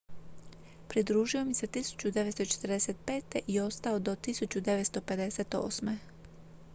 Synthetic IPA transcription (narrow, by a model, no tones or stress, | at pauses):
pɾid̪ɾuːʒio̞mise̞t̪isu̥t͡ɕud̪e̞ʋet̪st̪ot͡ʃe̥t̪ɾd̪eset̪̚pe̞ːt̪eʔio̞st̪ao̞d̪o̞t̪isut͡ɕud̪e̞ʋet̪st̪ope̞d̪e̞set̪o̞̰ːsme̞